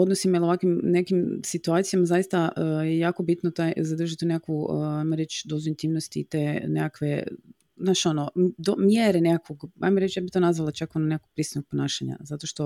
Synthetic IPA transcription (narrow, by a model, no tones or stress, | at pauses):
od̪nosimilˠoʋakʋimne̞kimsit̪uat̪sijamazajist̪aʔəjejaːko̞bit̪not̪ajzad̪r̩ʒit̪unekakʋuajmoɾe̞t͡ʃd̪ozoint̪imnost̪iːt̪enekakʋe | znaʃo̞nod̪omjeɾenekakoɡajmoɾe̞t͡ʃjaːbiçt̪o̞nazʋalˠat͡ʃakononekako̥pɾiːsnoɡ̚ponaːʃaɲa̰zat̪oʃt̪o̞